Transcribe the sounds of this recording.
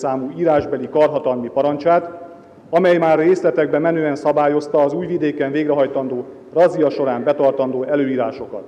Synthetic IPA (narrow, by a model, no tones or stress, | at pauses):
saːmuːiːɾaːʒbɛlikɒrɦɒt̪ɒlmipɒɾɒɲt͡ʃaːt̪ | ɒmɛjmaːrːeːslɛt̪ɛɡ̚bɛmɛnøːɛnsɒbaːjo̞st̪ɒːzuːjvid̪eːkɛɱveːɡrɛɦɒjt̪ɒnd̪oː | rɒzijɒʃo̞ɾaːmbɛt̪ɒrt̪ɒnd̪oːɛløːiːɾaːʃo̞kɒ̰t̪